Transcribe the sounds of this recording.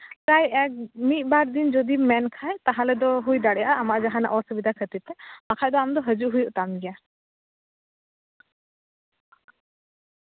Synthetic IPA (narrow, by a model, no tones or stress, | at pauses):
kajɛk̚mit̪̚ˀbaɾd̪ind͡ʒɔd̪imɛnkʰajt̪aɦãlɛd̪ɔɦujd̪aɽɛjaʔamaʔd͡ʒaɦãna̰ʔɔsəbid̪akʰət̪it̪ɛmakʰajd̪ɔamd̪ɔɦəd͡ʒuʔɦujuʔt̪amɡɛja